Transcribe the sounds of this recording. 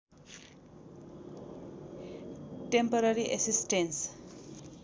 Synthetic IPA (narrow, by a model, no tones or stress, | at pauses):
ʈempʌɾʌɾiʔesisʈens